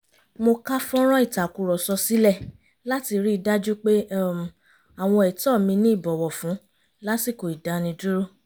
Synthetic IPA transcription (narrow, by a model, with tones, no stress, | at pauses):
mo˧ka˦fɔ̃˦ɾ̃ɔ̃˦i˦˨ta˨ku˨ɾɔ˨sɔ˧si˦lɛ˦˨ | la˦ti˧ɾi˦i˧da˦d͡ʒu˦k͡pe˦˨ | a˨w̃ɔ̃˧ɛ˨tɔ˦˨mĩ˧nĩ˦i˦˨bɔ˨wɔ˨fũ˨˦ | la˦si˦˨ko˨i˨da˧nĩ˧du˦ɾo˦